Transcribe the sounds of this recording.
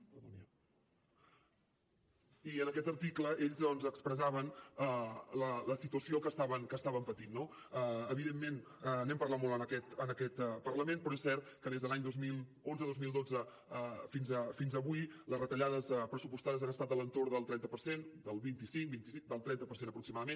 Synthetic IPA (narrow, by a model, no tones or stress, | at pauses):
əðɔniə | iənəkɛt̪əɾt̪ikləʔeʎzðɔnzəkspɾəzaβ̞ənələləsit̪uəsiokəst̪aβənkəst̪aβəmpət̪inːo | əəβiðemːen | ənɛmpəɾlat̪molˠənəkɛt̪ənəkɛt̪pərləmenpɾɔesɛɾt̪̚kəðezðəlaɲd̪ozmilˠ | onzəðozmilˠd̪od͡zə | əfinzəfinzəβuiləzrət̪əʎaðəspɾəsupust̪aðəzanəst̪at̪ələnt̪oɾðəlˠt̪ɾɛnt̪əpəɾsend̪əlˠβint̪isiŋk̚bint̪isid̪əlˠt̪ɾɛnt̪əpəɾsenəpɾuksimaðəmen